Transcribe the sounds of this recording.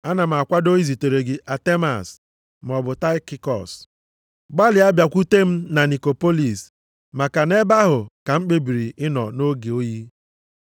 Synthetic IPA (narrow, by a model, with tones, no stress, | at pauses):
a˦na˨m̩˨a˨kʷa˦do˦i˦zi˨te˨ɾe˨ɡɪ˨ʔa˨te˦ma̰˨s | m˨ɔ˨bʊ˨ta˦ɪ˦ki˦kɔ̰˨s | ɡ͡ba˦lɪ˨a˦bja˨kʷu˦te˦m̩˦na˨ni˨ko˨po˦li˨s | ma˨ka˨ne˦ba˦ɦʊ˨ka˨ŋ͡m̩˦k͡pe˦bi˨ɾi˨ɪ˦nɔ̰˨no˦ɡe˨o˦ji˦